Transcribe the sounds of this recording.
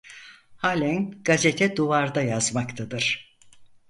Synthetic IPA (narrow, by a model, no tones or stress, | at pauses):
halʲɛnɡ̥azet̪ʰɛd̪uvaɾd̪ajazmakt̪ʰad̪ɯɾ̥